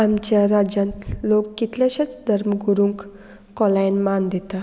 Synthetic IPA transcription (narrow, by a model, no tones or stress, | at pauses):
amt͡ɕjaɾad͡ʑjãnt̪lokːit̪ljãɕat͡sd̪ʱəɾməɡuɾũŋkː | ɔlajnmand̪et̪a